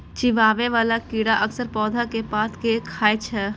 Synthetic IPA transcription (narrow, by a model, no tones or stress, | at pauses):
t͡ʃiʋaːʋeʋaːlakiːɽaʔɐksəɾpɔːd̪ʱakepaːt̪ʰkekʰaːet͡ʃʰɛ